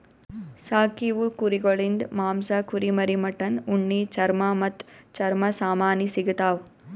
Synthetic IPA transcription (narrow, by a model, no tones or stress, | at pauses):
saːkiʋukuɾiɡɐɭind̪maːmsɐkuɾimɐɾimɐʈːɐnuɳːit͡ʃɐɾmɐmɐt̪ːt͡ʃɐɾmɐsaːmaːnisiɡɐt̪aːʋ